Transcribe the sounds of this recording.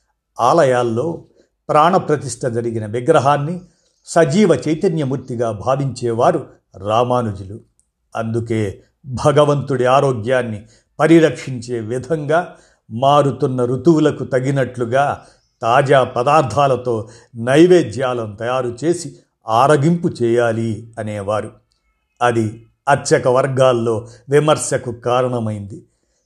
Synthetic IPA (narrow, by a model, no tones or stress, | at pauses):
aːlɐjaːlːo̞ː | pɾaːɳɐpɾɐt̪iʂʈʰɐd͡ʒɐɾiɡinɐʋiɡɾɐɦaːnːi | sɐd͡ʒiːʋɐt͡ʃɐjt̪ɐnjɐmuɾt̪iɡaːbʱaːʋiɲt͡ʃɛːʋaːɾu | ɾaːmaːnud͡ʒulu | ɐ̰nd̪ukeː | bʱɐɡɐʋɐnt̪uɽiaːɾoːɡjaːnːi | pɐɾiɾɐkʂiɲt͡ʃe̞ːʋid̪ʱɐŋɡaː | maːɽut̪unːɐɾut̪uwulɐkut̪ɐɡinɐʈluɡaː | t̪aːd͡ʒaːpɐd̪aːɾt̪ʰaːlɐt̪o̞ː | nɐjʋeːd͡ʒjaːlɐnt̪ɐjaːɾut͡ʃe̞ːsi | aːɾɐɡimput͡ʃɛːjaːliɐneːʋaːɾu | ɐd̪i | ɐt̪ʃɐkɐʋɐɾɡaːlːo̞ːʋimɐɾsjɐkukaːɾɐɳɐmɐjind̪i